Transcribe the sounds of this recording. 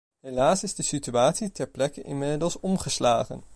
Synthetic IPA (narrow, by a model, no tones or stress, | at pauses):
ɦelaːsɪzdəsityaːtsitɛɹplɛkənʔɪmɪdəlˠsɔmχəslaːχə̰n